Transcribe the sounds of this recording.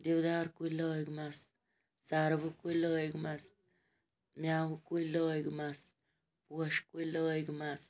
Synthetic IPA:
d̪iwd̪aɾkujlojɡmas | saɾbukulojɡmas | mʲjawkujlojɡmas | puɔʃkujlojɡmas

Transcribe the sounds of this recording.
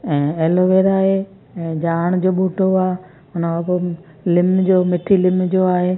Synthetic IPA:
ɛ̃ːeːloʋeːɾaːɦe | ɛ̃ːd͡ʑaːɽ̃d͡ʑoːɓuːʈoaː | ʊnəɐko | lɪmd͡ʑoːmɪʈʰilɪmd͡ʑoːaːɦeː

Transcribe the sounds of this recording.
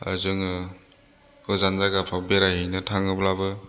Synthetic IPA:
a̰zɯŋɯ | ɡɯzanzaɡapʰabeɾajɦɯjnɯtʰaŋɯblabɯ

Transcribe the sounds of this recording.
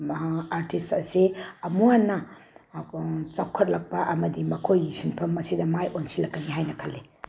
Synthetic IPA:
aɾtʰistɐsiɐmuanːɐ | t͡ʃawkʰɐt̚lɐk̚paʔɐmɐdimɐkʰojisinpʰɐmːɐsidɐmajʔonsilɐkːɐniɦajnɐkʰɐlːe

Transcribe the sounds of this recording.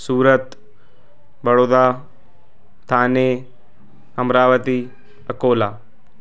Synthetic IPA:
suːɾət̪ | bɐɽoːd̪aː | t̪ʰaːne | ɦɐmɾaːʋət̪i | ɐkoːlaː

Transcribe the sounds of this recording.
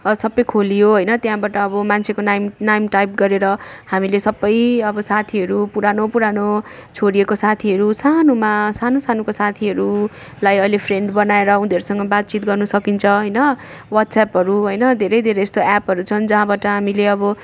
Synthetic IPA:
sʌbːʌjkʰolijoɦojnʌt̪jaɦãbaʈʌːbʌmant͡sʰekonajmnajmʈajp̚ɡʌɾeɾʌhamilesʌbːʌjʌbʌsat̪ʰiɦʌɾupuɾanopuɾanot͡sʰoɽiekosat̪ʰiʌɾusanomasanosanukosat̪ʰiɦʌɾu | lajʌjlepʰreɳɖbʌnaeɾʌud̪ʱʌɾusʌŋɡʌbat̪̚t͡sit̪̚ɡʌrnʌsʌkint͡sʰʌɦʌjnʌ | wat̪sapɦʌɾuɦʌjnʌd̪ʱeɾʌjd̪ʱeɾʌjest̪oɛpɦʌɾut͡sʰʌnd͡zʌɦãbaʈʌɦamileʌbʌ

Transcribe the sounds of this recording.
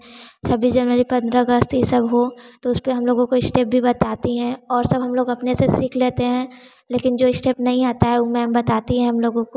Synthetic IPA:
sɐbʱid͡ʒɐnʋəɾipɐ̃nd̪ɾaɐɡəst̪ɦisɐbɦot̪oʊspeɦɐmloːɡõkoɪsʈeːp̚bʱibɐt̪aːt̪iɦɛ̃ɔːɾsɐbɦɐmloːɡɐpnesesiːkʰleːt̪eɦɛ̃ː | leːkɪnd͡ʒoːɪsʈeːpnɐɦĩaːt̪aɦɛʊmɛ̃bɐt̪aːt̪iɦɛ̃ɦɐmloːɡõko

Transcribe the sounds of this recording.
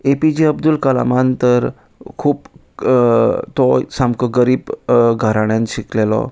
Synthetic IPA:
epid͡ʑiəbd̪ulkəla̰mant̪əɾ | kʰuːp | t̪ɔsamkɔɡəɾiːbɡʱəɾaɳjãnɕiklelɔ̰

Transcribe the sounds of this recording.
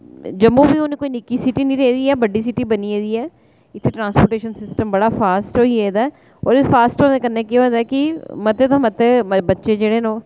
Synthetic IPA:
d͡ʒəmːũːbiːonẽːkoːinɪkiːsɪʈiːnĩːɾeiːd̪iːɛːbəɖiːsɪʈiːbəniːeːd̪iːɛː | ɪt̪ʰːeːʈɾãːnspoːʈeːʃənsɪsʈəmbəɽaːpʰaːsʈoːiːed̪aː | o̰ːɾpʰaːsʈõːd̪eːkənːẽːkeõnd̪aːkɪmət̪eːt̪õːmət̪ebətːʃeːd͡ʒeːɽeːnõː

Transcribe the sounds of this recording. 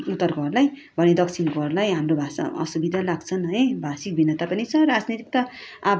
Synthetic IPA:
ut̪ːʌrɡʌrlaj | bʱʌned̪ʌkt͡sʰinɡʌrlajɦamrobʱasa̰ʌ̰subid̪ʱalaɡt͡sʰʌnɦʌjbʱasik̚bʱinʌt̪apʌnit͡sʰʌɾad͡znit̪ik̚t̪ʌab

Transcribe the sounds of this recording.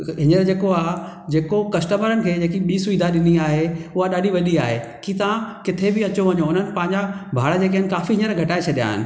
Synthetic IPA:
ɦɪɲəɾd͡ʑeːkoaːɦ | d͡ʑeːkokɐsʈəməɾənɪ̆kʰeːd͡ʑeːkiɓiːsʊiːd̪ʱaɗɪniaːɦeʊɦaɗaːɗʱiʋɐɗiaːɦekit̪ãkɪt̪ʰebɪɐt͡ɕoʋɐɲoʊn̤ənɪ̆pɐ̃ɦɪ̃ɲd͡ʑabʱaːɽəd͡ʑeːk̬iɦɪnɪ̆kaːfiɦɪɲəɾɡʱɐʈaːet͡ɕʰɐɗija̰ːɦɪ̰nɪ̆

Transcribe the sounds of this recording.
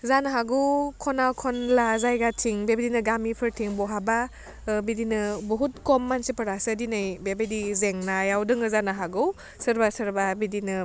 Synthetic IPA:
zanaɦaɡɯkʰɔnakʰɔnlazajɡatʰiŋbebedinɯɡamipʰɯɾtʰiŋbɔɦaba | bidinɯbɔɦut̚kɔmːansipɐɾasɯdinɯjbebedizeŋnajawdɯŋɯzanaɦaɡɯw | sɯɾbasɯɾbabidinɯ

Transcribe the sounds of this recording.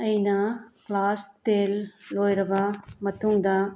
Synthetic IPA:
ɐjnaklaːst̪eːlloːjɾɐʋamɐt̪ʰuŋd̪a

